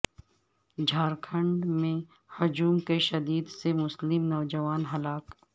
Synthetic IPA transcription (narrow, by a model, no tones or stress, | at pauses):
d͡ʒʱaːɾkʰə̃ɳɖmẽ | hʊd͡ʒuːmkeʃɐd̪iːd̪semʊslɪmnɔːd͡ʒɐʋaːnɦɐlaːk